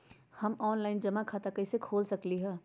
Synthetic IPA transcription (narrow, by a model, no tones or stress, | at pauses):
hɐmɔːnlaːɪnd͡ʒɐmãkʰaːt̪akɐisekʰoːlsɐkliɦɛː